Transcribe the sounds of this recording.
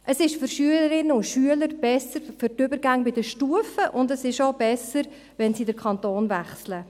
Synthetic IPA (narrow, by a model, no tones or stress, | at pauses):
ʔəsɪʃfʏɾʃyələɾɪnːəʊntʃyələɾb̥ɛsəɾfʏɾtʏbəɾɡæŋbɪdəʃtuəfəʔʊndəsɪʃoʊbɛsəɾ | vɛnsidəɾkʰɑntoːnvæχslə